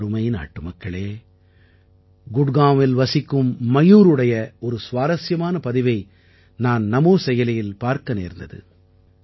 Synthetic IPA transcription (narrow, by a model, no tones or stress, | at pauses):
ɾɯmɐjna̰ːʈːɯmɐkːɐɭeː | ɡʊɽɣaːmɪlʋɐsɪkːɯmːɐjuːɾɯɽɐjɐɔɾɯsʋaːɾɐsjɐmaːnɐpɐðɪʋɐɪ | naːnnɐmoːsɛjɐlɐjɪlpaːɾkɐnḛːɾnd̪ɐðɯ̰